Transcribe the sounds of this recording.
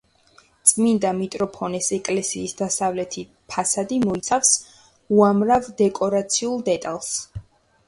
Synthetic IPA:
t̪sʼmind̪amit̪ʼɾɔpʰɔnɛsɛkʼlɛsiːsd̪asavlɛt̪ʰi | pʰasad̪imɔit̪sʰafs | uamɾavd̪ɛkʼɔɾat̪sʰiulˠd̪ɛt̪ʼalˠs

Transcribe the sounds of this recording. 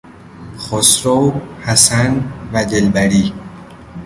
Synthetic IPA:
χosɾowhæsænvæd̪elbæɾiː

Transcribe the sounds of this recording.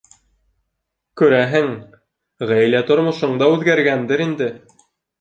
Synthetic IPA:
kʉɾæɦɘŋ | ʁæjlæt̪ŏɾmŏʃɤ̆ɴd̪ɑʉðɡæɾɡænd̪ɘɾind̪ɘ

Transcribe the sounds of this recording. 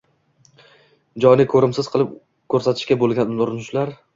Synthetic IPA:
d͡ʒɒjnɪkʰɵɾɪmsɪz̥qʰɨlˠɪp | kʰɵɾsat̪ʰɪ̥ʃkʲabolˠɡʲanʊɾɪnʊʃlaɾ

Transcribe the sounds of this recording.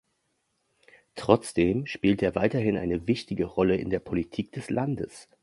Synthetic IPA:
tʁ̥ɔt͡sd̥eːmʃpiːlteːɐvaɪtɐhɪnʔa̰ɪnəvɪçtɪɡəʁɔləɪ̰ndeːɐpʰolitʰiːk̚d̥ɛslʔandəs

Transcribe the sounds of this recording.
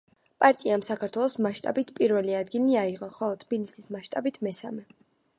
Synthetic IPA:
pʼaɾt̪ʼiamsakʰaɾt̪ʰwɛlˠɔsmaʃt̪ʼa̰bit̪ʰpʼiɾvɛliad̪ɡiliaiʁɔχɔlˠɔt̪ʰb̥ilisismaʃt̪ʼabit̪ʰmɛsa̰mɛ

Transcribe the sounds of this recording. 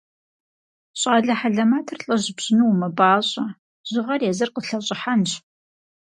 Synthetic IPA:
ɕʼaːɮɐħaɮɐmaːtʰɨrɬʼɐʑɪbɕɪnuwmɐbaːɕʼɐ | ʑ̥ɪʁɐrjɛzɨrqəɬɐɕʼɪħanɕ

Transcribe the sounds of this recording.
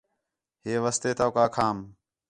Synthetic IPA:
ɦeːʋəst̪eːt̪aːkaːkʰaːm

